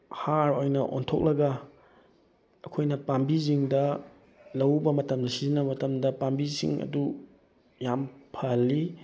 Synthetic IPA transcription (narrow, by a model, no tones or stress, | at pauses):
haɾojnɐʔo̰ntʰok̚lɐɡɐ | ɐkʰojnɐpambiziŋdɐ | lɐwbɐmɐtɐmdɐsizinːɐmɐtɐmdɐpambisḭŋɐ̰du | jampʰɐlːi